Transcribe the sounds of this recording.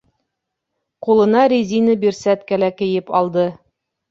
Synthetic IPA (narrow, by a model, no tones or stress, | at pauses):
qulˠɤ̆nɑɾʲizʲinɤbiɾsæt̪kælækɘ̆jɘpɑlˠd̪ɤ